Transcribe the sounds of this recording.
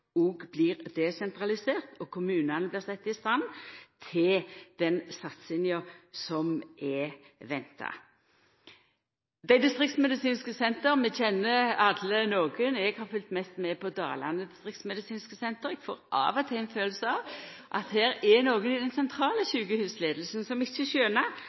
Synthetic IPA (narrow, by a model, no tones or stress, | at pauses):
ɔɡbliːʁd̪ɛsɛnt̪ɾɑlɪseːʁt̪ɔkʰʊmʉːnɑnəblɪʁsɛt̪ːɪst̪ɑnt̪ʰɪld̪̥ɛnsɑt̪sɪnjəsɔmɛ | ʋɛnt̪ʰɑ̰ | d̪æɪd̪ɪst̪ʁɪkt̪smɛd̪ɪsiːnskəsɛnt̪əɾmɛçɛnːəɑd̪lənoːɡənɛɡhɑːfʏlt̪mɛst̪mɛpʰɔd̪ɑ̰ːlɑ̰nəd̪ɪst̪ʁɪkt̪smɛd̪ɪsiːnskəsɛnt̪əɾɛɡ̥fo̰ːʁʔɑ̰ːʋɔt̪ʰɛɪnføːləsəɑʋʔɑ̰t̪hæːɾɛnoːɡənɪd̪ɛnsɛnt̪ʰʁɑːləɕʉːɡəhʉːsleːd̪lsn̩sɔmɪçːəɕøːnɑ